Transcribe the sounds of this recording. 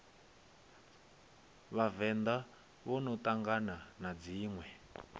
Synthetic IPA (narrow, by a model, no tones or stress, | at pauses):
βavɛnd̪a | βɔnɔt̪aŋɡananad͡ziːŋwɛ